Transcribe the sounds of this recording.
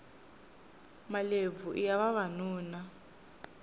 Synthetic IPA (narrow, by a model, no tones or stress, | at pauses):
malevuʔijaβaβanuːna